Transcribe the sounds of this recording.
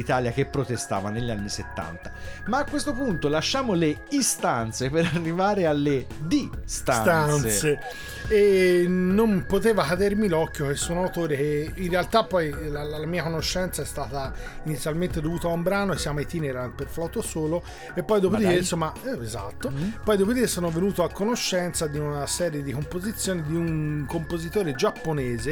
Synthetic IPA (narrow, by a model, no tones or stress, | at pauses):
it̪aːljak̟epːɾot̪est̪a̰ːvaneʎːianːiset̪ːa̰nt̪ḁmaːkːwest̪opunt̪olaʃːaːmoleist̪ant̪sepeɾarːivaːɾealːe | d̪ist̪ast̪ansnse | enːompot̪eːvakad̪eɾmilɔkːjokesːunawt̪oːɾekeinrealt̪apːɔjlalalamiːakonoʃːɛnt̪saɛst̪aːt̪ainit̪sːjalment̪ed̪ovuːt̪aumbɾaːnoesːjaːmoit̪iːneɾanpeɾflɔt̪ːosoːlo | epːɔjd̪opod̪iesomaeza̰t̪ːopɔjd̪op̬od̪iesoːnovenuːt̪oakːonoʃːɛnt̪sad̪iunasɛːɾjed̪ikompozit̪sːjoːnid̪iuŋkompozit̪oːɾed͡ʒapːonɛːze